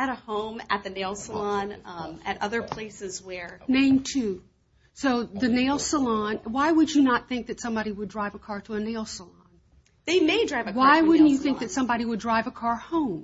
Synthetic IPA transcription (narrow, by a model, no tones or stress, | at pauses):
ɨɾəhõʊ̃mɨ̰t̪̚ðɨneɪlˠsəlɑ̃nɨ̰ɾʌðə˞pʰl̥eɪsɨzwə˞nẽɪ̃mtʰʉ | soʊðɨneɪlˠsəlɑ̃nwaɪwəd͡ʒɨnət̪̚θɪ̃ŋk̚ðɨtsʌ̃mbɑɾiwədɹaɪvəkʰɑɹɾəːneɪlˠsəlɑ̃n | ðeɪmeɪdɹaɪvɨwaɪwʊdⁿn̩t͡ʃɨθɪ̃ŋk̚ðɨtsʌ̃mbɑɾiwədɹaɪvəkʰɑɹhõʊ̃m